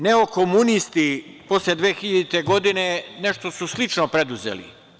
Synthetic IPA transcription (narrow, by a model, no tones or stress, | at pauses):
ne̞okomunist̪iposled̪ʋeːxiʎad̪it̪e̞ɡo̞d̪ine̞neʃt̪o̞suslit͡ʃnopɾe̞d̪uzḛlḭ